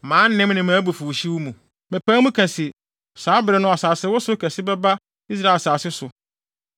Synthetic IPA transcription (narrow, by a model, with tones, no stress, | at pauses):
mãː˨˦nɪ̃˦mnɪ̃˨mãː˨˦bu˨fu˨ɕi˦wʊ˦mũ˨ | mɪ̃˨pæ̃˦mũ˦kʰæ̃˨sɪ˨ | saː˨˦bɪ˨ɾɛ˨nʊ̃˦a˨saː˨sɪ˦wʊ˦sʊ˦kʰɛ˨sɪ˦bɛ˦ba˦ | i˦s̬ɾa˦˨e˨saː˨sɪ˦sʊ˨